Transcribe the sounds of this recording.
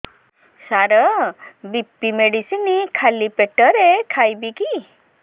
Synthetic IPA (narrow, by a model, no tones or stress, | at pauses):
saɾɔbipːimeɽisinikʰalipeʈəɾekʰajbiki